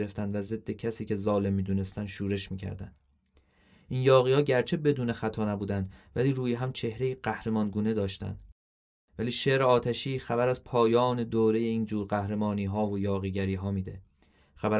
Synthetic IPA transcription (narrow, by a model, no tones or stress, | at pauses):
ɾe̞ft̪ænd̪væze̞d̪ːe̞cʰæsiːce̞zɒːle̞mːiːd̪uːne̞st̪ænd̪ʃuːɾe̞ʃmiːcʰæ̰ɾd̪æ̰nd̪̥ | ʔiːnjɒːɣiːhɒːɟæɾt͡ʃʰe̞be̞d̪uːne̞xæt̪ʰɒːnæbuːd̪ænd̪væliːɾuːjeɦæmt͡ʃʰe̞hɾeiɢæhɾe̞mɒːnɡuːne̞d̪ɒːʃt̪æ̰nd̪̥ | væliːʃe̞ʔɾeɒːt̪ʰæʃiːxæbæɾæzpʰɒːjɒːne̞d̪oːɾe̞je̞iːnd͡ʒuːɾɢæhɾe̞mɒːniːɦɒːvojɒːɣiːɟæɾiːɦɒːmiːd̪e̞̰ | xæbæ